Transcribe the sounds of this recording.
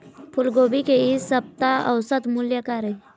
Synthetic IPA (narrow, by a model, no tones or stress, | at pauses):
pʰʊlɡoːbikeisɐp̚t̪aɐʊsət̪mʊljəkaːɾe